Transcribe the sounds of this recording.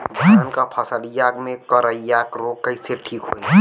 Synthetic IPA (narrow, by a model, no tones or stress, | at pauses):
bʱətənkapʰəsəljakmẽkəɾəijakɾokːəjseʈʰiːkɦo